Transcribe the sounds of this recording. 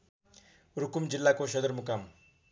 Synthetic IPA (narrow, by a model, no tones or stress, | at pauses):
ɾukumd͡zilːakosʌd̪əɾmukam